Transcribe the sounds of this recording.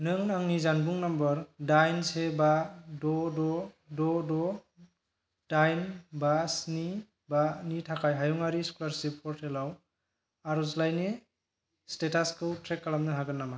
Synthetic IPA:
nɯŋnaŋnizanbuŋnambɔɾdajnsebadɔdɔ | dɔdɔ | d̥ajnbasni | banitʰakʰajɦajɔŋaɾiskulaɾsipʰɔɾtʰelaw | aɾɔslajne | stetaskɯwtʰɾekːalamnɯɦaɡɯnːama

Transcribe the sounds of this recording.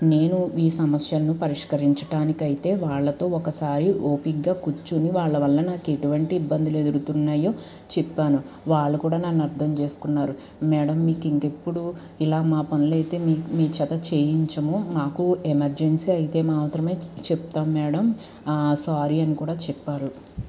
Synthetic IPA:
ne̞ːnuiːsɐmɐsjɐnːupɐɾiʂkɐɾiɲt͡ʃɐʈaːnikɐjit̪e̞ːʋaːɭːɐt̪o̞ːɔkɐsaːɾiʔoːpikɡaːkut͡ʃːuniʋaːɭːɐʋɐɭːɐnaːke̞ʈuʋɐɳʈiːbːɐnd̪iled̪uɾut̪unːaːjo̞ː | t͡ʃɛpːaːnu | ʋaːɭːɐkuːɽaːnɐnːɐɾd̪ʰʱɐmt͡ʃe̞ːsu̥kunːaːɾu | mɛːɽɐmːiːkiŋke̞pːuɽu | ilaːmaːpɐnulɐjt̪e̞ːmiːmiːt͡ʃɐt̪ɐt͡ʃe̞ːjiɲt͡ʃɐmumaːkuemɐɾd͡ʒe̞nsiːɐjit̪e̞ːmaːt̪ɾɐme̞ːt͡ʃɛp̚t̪aːmːɛːɽɐm | saːɾiɐnikuːɽaːt͡ʃɛpːaːɾu

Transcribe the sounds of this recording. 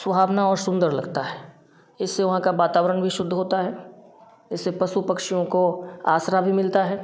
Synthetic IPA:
swəbʱaːʋnaɔːɾsʊ̃nd̪əɾlɐɡt̪aɦɛː | ɪsːeʋɐɦãkaʋaːt̪aːʋəɾənbʱiʃʊd̪ʱːɦoːt̪aɦɛː | ɪsːepɐsupɐkʃijõkoa̰ːsɾabʱimɪlt̪aɦɛː

